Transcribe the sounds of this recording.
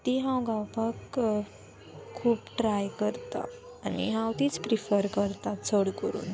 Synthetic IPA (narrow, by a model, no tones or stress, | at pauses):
t̪iɦãwɡawpak | kʰːuːpʈɾajkəɾt̪a̰ | anḭɦãwt̪iːt͡spɾifəɾkəɾt̪at͡sʰəɽkəɾṵːn